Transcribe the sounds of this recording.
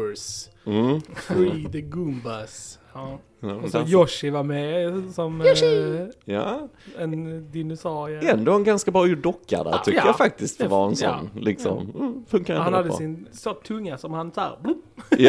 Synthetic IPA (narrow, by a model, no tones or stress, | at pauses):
s | fɾid̪əɡʉmbas | ɔsɔjɔʂɪvaɾmɛsɔm | ja̰ɛnd̪ɪnʊsɑːɾɪɛnd̪oːɛnɡanskabɾɑːjud̪ɔkːa̰d̪æ̰t̪ʰʏkt̪ːəjafak̚t̪ɪskt̪̚d̪ɛvaɛnsɔ̰nːlɪksɔ̰mːfɵŋkaɾɛhanhad̪ːəsɪnsot̪ʰɵŋːasɔmhansa̰ːɾblj